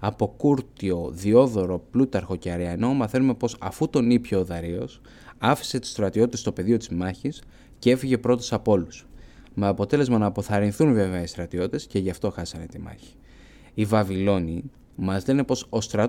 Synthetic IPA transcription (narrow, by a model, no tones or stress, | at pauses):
ɐpo̞kuɾt̪io̞ðio̞ðo̞ɾo̞plut̪ɐɾxo̞ceɐɾeɐno̞mɐθe̞nume̞po̞sɐ̰fut̪o̞nipçoːðɐɾio̞̰s | ɐfi̥se̞t̪u̥st̪ɾɐt̪io̞t̪it̪e̞st̪o̞pe̞ðio̞t̪izmɐçis | cee̞fiʝe̞pɾo̞t̪esɐpo̞lus | me̞ɐpo̞t̪e̞le̞zmɐnɐːpo̞θɐɾinθunve̞veɐist̪ɾɐt̪io̞t̪it̪e̞sce̞ʝɐft̪o̞xɐsɐne̞t̪imɐ̰çi̥ː | vɐvilo̞ni | mɐzlene̞po̞so̞st̪ɾɐ